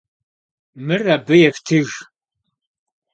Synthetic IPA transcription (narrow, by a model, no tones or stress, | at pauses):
mɨrɐbɨjɛftʰɨɣ